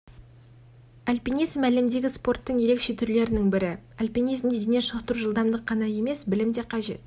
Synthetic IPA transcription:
alʲpinijzmælɪmd̪e̞ɡʲɪspo̞rt̪ːəɴje̞ɾe̞kʃe̞t̪ʰʏɾle̞ɾɪnɪŋbɪɾɪalʲpijnizmd̪ed̪eneʃəʁt̪əɾuʒəlˠd̪ɑmd̪əqʰːɑnɑje̞me̞sbɪlɪmd̪e̞qʰɑʒe̞̰t̪

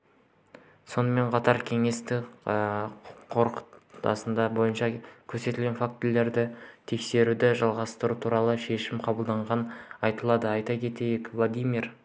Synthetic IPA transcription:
so̞nəme̞ɴqʰɑt̪ɑɾkʲʰe̞ŋe̞st̪ɪəqʰo̞ɾqə̥t̪ɑ̰sənd̪ɑbo̞jənʃɑkʲʰɵɾse̞t̪ɪlɡʲenfak̚t̪ːlːe̞ɾd̪ɪt̪ʰe̞kse̞ɾud̪ɪʒɑlˠʁɑst̪əɾut̪ʰuɾɑlˠəʃe̞ʃɪmqʰɑbəlˠd̪ɑɴʁɑnɑjt̪əlˠɑd̪əɑjt̪ɑkʲʰe̞t̪e̞jɪkvlˠad̪ijmir

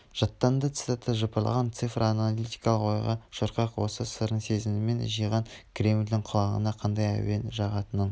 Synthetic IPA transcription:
ʒ̥ɑt̪ːɑnd̪ət̪sɨ̥t̪at̪ːəʒəpɑlˠɑ̰ʁɑnt̪sɨfroanolit̪i̥jkɑlˠəqo̞jʁɑʃoɾqɑqwo̞̰səsəɾəɴse̞zɪnɪme̞nʒijʁɑŋkʰɾʲe̞mld̪ɪŋqʰʊlˠɑʁə̰nɑqʰɑnd̪ɑjæ̰wenʒɑʁɑt̪ənən

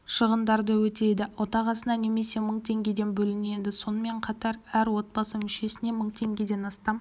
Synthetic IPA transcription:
ʃəʁənd̪ɑɾd̪əwɵt̪e̞d̪ɪwo̞t̪ɑʁɑsənɑne̞me̞se̞məɴt̪ʰe̞ŋɡʲe̞d̪e̞nbɵlɪne̞d̪ɪso̞nəme̞ɴqʰɑt̪ɑɾæɾwo̞t̪̚bɑsəmʏʃe̞sɪne̞məɴt̪ʰe̞ŋɡʲe̞d̪e̞nɑst̪ɑm

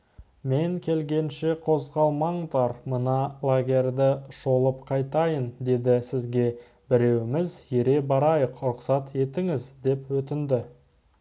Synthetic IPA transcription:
me̞ŋkʲʰe̞lɡʲe̞nʃe̞qʰo̞zʁɑlˠmɑɴd̪ɑɾmənɑlˠaɡʲe̞rʲd̪ɪʃo̞lˠəpqʰɑjt̪ɑjənd̪e̞d̪ɪsɪzɡʲe̞ | bɪɾe̞wɪmɪzjeɾe̞bɑɾɑjəqɾʊqsɑt̪e̞t̪ɪŋɪzd̪e̞pwɵt̪ɪnd̪ɪ

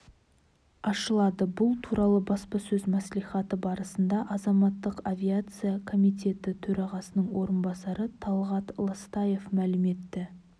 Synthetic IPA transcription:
ɑʃəlˠɑd̪əbʊlˠt̪ʰuɾʔɑlˠəbɑspɑsɵzmæslijχɑt̪əbɑɾəsənd̪ɑʔɑzɑmɑt̪ːəqavʲijat̪sɨjakʰo̞mijt̪ʰe̞t̪ɪt̪ʰɵɾɑʁɑsənəɴwo̞ɾənbɑsɑɾət̪ʰɑlˠʁɑt̪lˠəst̪ɑje̞fmælɪme̞t̪ːɪ

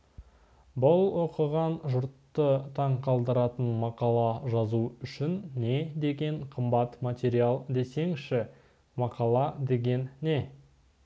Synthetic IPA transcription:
bʊlˠwo̞qəʁɑnʒʊɾt̪ːət̪ʰɑɴqʰɑlˠd̪əɾɑt̪ənmɑqɑlˠɑʒɑzuʏʃɪnːe̞d̪e̞ɡʲe̞ɴqʰəmbɑt̪mat̪ʲe̞ɾijalˠd̪e̞se̞ŋʃɪ | mɑqɑlˠɑd̪e̞ɡʲe̞nːe̞

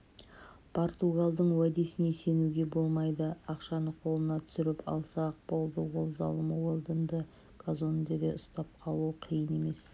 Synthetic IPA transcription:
pʰo̞ɾt̪uɡalˠd̪əɴwad̪esɪnese̞nuɡʲe̞bo̞lˠmɑjd̪əɑqʃɑnəqʰo̞lˠənɑt̪ʰʏ̥sɪɾɪpɑ̰lˠsɑq̚bo̞lˠd̪əwo̞lˠzɑ̰lˠəməwolˠd̪ənd̪ə | ɡ̥ʰazo̞nd̪ed̪e̞ʔʊst̪ɑp̚qʰɑlˠuəqʰəjəne̞me̞s

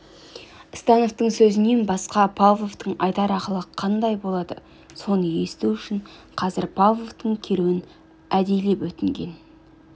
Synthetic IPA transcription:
st̪ɑno̞ft̪əɴsɵzɪne̞nbɑsqɑpʰalvˠo̞vt̪əɴɑjd̪ɑɾɑqəlˠəqʰɑnd̪ɑjbo̞lˠɑd̪ə̰ | so̞nəje̞st̪uʏʃɪɴqʰɑzɪɾpʰalvˠo̞ft̪əɴkʲʰe̞ɾuwɪn | æd̪e̞jle̞pwɵt̪ɪŋɡʲe̞̰n

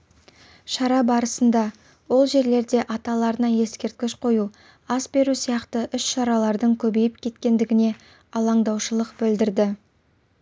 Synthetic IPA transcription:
ʃɑɾɑbɑɾəsənd̪ɑ | wo̞lˠʒe̞ɾle̞ɾd̪e̞ʔɑt̪ɑlˠɑɾənɑje̞skʲe̞ɾt̪̚kʲɪʃqʰo̞ju | ɑsbe̞ɾusijɑqt̪əʔʏʃʃɑɾɑlˠɑɾd̪əɴkʲʰɵbe̞jɪp̚kʲʰe̞t̪kʲe̞nd̪ɪɡʲɪne̞ | ɑlˠɑɴd̪ɑwʃəlˠəqbɪld̪ɪɾd̪ɪ

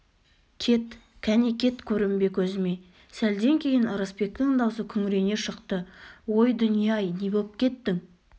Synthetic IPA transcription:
kʲʰe̞t̪ | kʲʰænekʲʰe̞t̪kʲʰɵɾɪmbe̞kʲʰɵzɪme̞ | sæld̪e̞ŋkʲʰe̞jɪnəɾəspe̞k̚t̪ɪŋd̪ɑwsəkʲʰʏŋɪɾe̞ne̞ʃəqt̪əwo̞jd̪ʊnijɑjnebolˠp̚kʲe̞t̪ːɪŋ

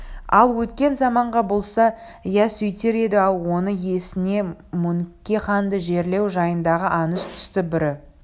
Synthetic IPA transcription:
ɑ̰lˠwɵt̪kʲe̞nzɑmɑɴʁɑbo̞lˠsɑ | jæsʏjt̪eɾe̞d̪ɪɑlˠwo̞nəje̞sɪne̞mʊŋkʲːeχɑnd̪əʒe̞ɾle̞wʒɑjənd̪ɑʁəʔɑnəst̪ʰʏ̥st̪ɪbɪɾɪ

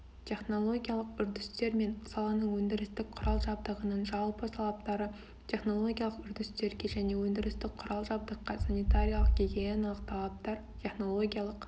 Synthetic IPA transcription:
t̪ʲʰe̞χno̞lˠo̞ɡʲijalˠəqʏɾd̪ɪst̪e̞ɾme̞nsɑlˠɑnəɴwɵnd̪ɪɾɪst̪ɪk̚qʰʊɾɑlˠʒɑbd̪əʁənənʒɑlˠpət̪ʰɑlˠɑp̚t̪ɑɾə | t̪ʲʰe̞χno̞lˠo̞ɡʲijalˠəqʏɾd̪ɪst̪e̞ɾɡʲe̞ʒæne̞wɵnd̪ɪɾɪst̪ɪkqʰʊɾɑlˠʒɑb̚d̪əqːɑsanʲijt̪aɾʲijalˠəq̚ɡʲiɡʲejenlˠəqt̪ʰɑlˠɑp̚t̪ɑɾ | t̪ʲʰe̞χno̞lˠo̞ɡʲijalˠəq

